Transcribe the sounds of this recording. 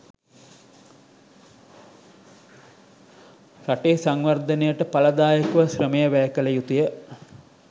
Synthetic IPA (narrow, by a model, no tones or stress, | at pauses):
saʈeːsaŋʋɐrd̪ənejəʈəpalɐd̪aːjəkuʋəsrəmejəʋæjkələjut̪ujə